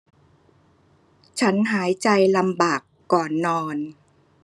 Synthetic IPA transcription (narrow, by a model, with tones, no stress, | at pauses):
t͡ɕʰa˦˥nɦaː˩˦jt͡ɕa˧jla˧mbaː˨˩kːɔː˨˩nːɔː˧n